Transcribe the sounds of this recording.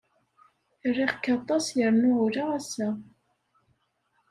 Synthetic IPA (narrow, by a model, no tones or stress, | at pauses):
rːiʁkːɑt̪ˤɑsjəɾnʊʊɾaæsæ